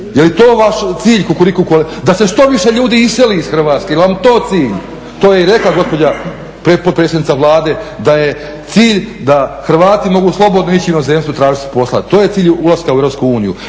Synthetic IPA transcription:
jelit̪oːʋaʃt̪siːʎkokolikokold̪ase̞ʃt̪o̞ʋiʃe̞ʎuːd̪iːiseliisxr̩ʋaːt̪skejelʋamt̪o̞ːt̪siːʎ | t̪oːjeiɾe̞klaɡo̞spo̞d͡ʑa | pɾepod̪̚pɾesed̪nit̪aʋlˠaːd̪e̞d̪aje̞ | t̪siːʎd̪axɾʋaːt̪imo̞ɡuːslˠo̞bo̞d̪noit͡ɕiinozemst̪ʋut̪ɾaːʒit̪i̥po̞slˠa̰t̪oːje̞t̪siːʎulˠaskaueɾopskuuːniju

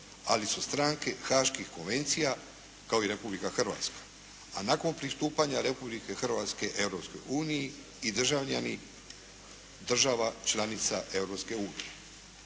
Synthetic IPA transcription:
alisust̪ɾaŋke̞xaʃkixko̞nʋe̞nt̪sija | kao̞iɾe̞publikaxr̩ʋa̰ːt̪skḁ | anako̞npɾist̪uːpaɲaɾe̞publike̞xr̩ʋat̪ske̞ʔe̞vɾo̞psko̞̰juːniji | id̪r̩ʒaʋʎani | d̪r̩ʒaʋat͡ʃlˠanit̪saʔe̞vɾo̞pske̞uːnije

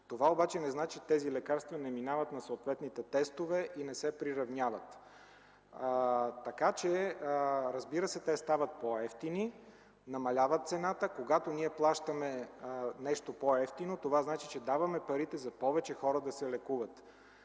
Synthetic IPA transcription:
t̪ovaobat͡ʃɛnɛznat͡ʃit̪ɛzilɛkaɾst̪vənɛminavət̪nɐsot̪vɛt̪nit̪ɛt̪ɛst̪ovɛʔinɛsɛpɾiɾɐvnʲjavət̪ | t̪ːɐkat͡ʃɛ | ɾɐzbiɾəsɛt̪ɛst̪avɐt̪̚poɛft̪ini | nɐmɐlʲavət̪̚sɛnat̪əkoɡat̪oniɛplˠaʃt̪əmɛnɛʃt̪opoɛft̪inot̪ovaznat͡ʃit͡ʃɛd̪avɐmɛpɐɾit̪ɛzɐpɔvɛt͡ʃɛxɔɾəd̪ɐsɛlɛkuvət̪

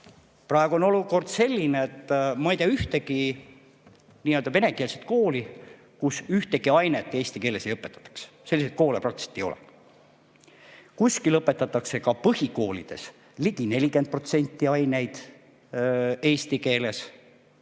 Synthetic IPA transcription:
prɑeɡ̥uo̞no̞luko̞rd̪̥se̞lʲːineet̪ːˑmɑɑejt̪eɑyht̪e̞ki | niːøld̪ɑe̞ne̞ke̞ːlset̪̚ko̞ːli | kusyht̪e̞ɡiɑjnet̪ːˑe̞ːsʲt̪ikeːle̞se̞jɤpːˑet̪ːˑɑ̥t̪ːˑɑ̥ks | selːiset̪̚ko̞ːlepɾɑk̚t̪i̥se̥t̪ːˑejo̞̰lɛ̰ | kusʲkilɤpːˑe̞t̪ːˑɑt̪ːˑɑkse̞kɑpɤhiko̞ːlid̪̥e̞̰s | liɡine̞lʲike̞nt̪̚pro̞t̪se̞nʲt̪ːˑiɑjne̞jd̪̥ | e̞ːsʲt̪ike̞ːle̞s

